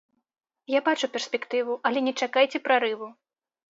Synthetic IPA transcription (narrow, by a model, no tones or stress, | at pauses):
jabat͡ʂupʲɛrsʲpʲɛkt̪ɨvuʔɐlʲɛnʲɛt͡ʂakajt͡sʲɛpɾaɾɨvu